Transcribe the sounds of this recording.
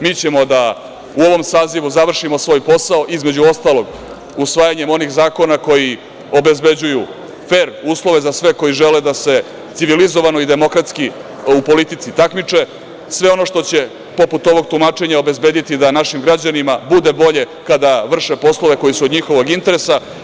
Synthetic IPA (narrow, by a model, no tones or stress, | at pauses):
miːt͡ɕe̞mo̞d̪a | uo̞ʋo̞msaːziʋuzaʋr̩ʂimo̞sʋo̞ːjpo̞saoʔizme̞d͡ʑuo̞st̪alo̞ɡ | usʋaːjaɲe̞mo̞nixzaːko̞nako̞ji | o̞be̞zbe̞d͡ʑuju | fe̞ːɾuːslˠo̞ʋe̞zasʋe̞ko̞jiʒeled̪ase̞ | t̪siʋilizo̞ʋano̞id̪e̞mo̞kɾat̪ski | upo̞lit̪it̪sit̪akmit͡ʂe̞ | sʋe̞o̞no̞ʃt̪o̞t͡ɕe̞ | po̞put̪o̞ʋo̞ɡ̚t̪umaːt͡ʃe̞ɲao̞be̞zbe̞ːd̪it̪id̪anaʃimɡɾad͡ʑanimabud̪e̞bo̞ʎe̞ | kad̪aʋr̩ʂe̞po̞slˠo̞ʋe̞ko̞jisuod̪ɲixo̞ʋo̞ɡint̪e̞ɾesa